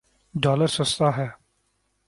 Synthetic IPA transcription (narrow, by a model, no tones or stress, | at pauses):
ɖaːləɾsɐst̪aːɦɛː